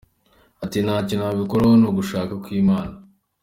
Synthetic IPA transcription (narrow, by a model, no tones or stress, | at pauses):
atinaːcinaːβikoɾawonuːɡuʃaːkakwiːmaːna